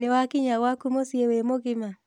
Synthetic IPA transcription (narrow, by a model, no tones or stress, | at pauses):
nɛwakiɲawakumosiewemoɡɪma